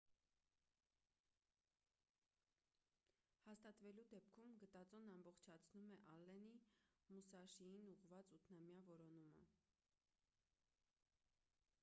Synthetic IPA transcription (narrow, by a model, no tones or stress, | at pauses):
hɑst̪ɑt̪vɛlud̪ɛpkʰumɡət̪ɑt͡sɔnɑmbɔχt͡ʃʰɑt͡sʰnumɛʔɑlːɛnimusɑʃijinuʁvɑt͡sut̪ʰnɑmjɑvɔɾɔnumə̰